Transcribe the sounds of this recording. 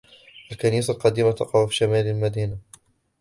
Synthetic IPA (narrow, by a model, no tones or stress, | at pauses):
ʔalkaniːsalqɑd̪iːmat̪ɑqɑhfiʃamaːlalmad̪iːna